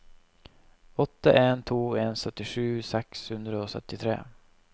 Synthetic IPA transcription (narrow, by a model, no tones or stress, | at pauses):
ɔt̪ːaʔent̪ʰoːensœt̪ːɪɧʉ̟ːsɛkshɵnd̪ɾaɔsœ̰t̪ːɪt̪ʰɾḛː